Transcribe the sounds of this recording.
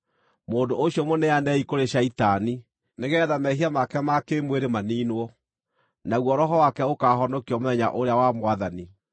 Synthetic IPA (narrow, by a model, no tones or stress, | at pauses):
moːndooɕiɔmonɛanɛikoɾeɕaitani | neɣɛðamɛɦiamakɛmakemweɾemaniːnwɔ | naɣwɔɾɔɦɔwakɛokaːɦɔnɔkiɔmoðɛɲa̰ʔoɾeawamwaðani